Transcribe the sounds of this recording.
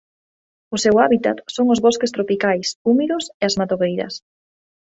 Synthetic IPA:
ʊsewaβit̪a̰t̪soŋʊzβɔskɪst̪ɾopikajsumiðʊseazmat̪oɣejɾɐ̰s

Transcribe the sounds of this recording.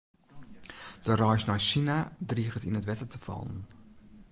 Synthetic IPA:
d̥ərɔjsnɔjsinadriːɣətinətʋɛtətəfɔ̰lˠən

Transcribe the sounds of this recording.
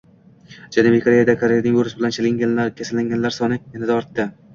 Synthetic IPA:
d͡ʒanubikʰoɾe̞jad̪akʰoɾejanɪŋoɾɪsɪbɪlant͡ʃʰelɪŋɡʲanlaɾkʲʰasalːaŋɡʲanlaɾsɒnɪjanad̪aɒɾt̪ːɪ

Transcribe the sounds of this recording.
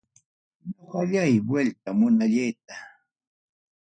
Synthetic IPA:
ɲoɢɑʎajbwelt̪amʊnaʎejt̪̚a

